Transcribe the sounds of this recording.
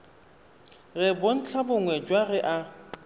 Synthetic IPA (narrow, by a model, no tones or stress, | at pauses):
ɣɪbon̩t͡ɬʰabʊŋwɛd͡ʒwaɣɪʔa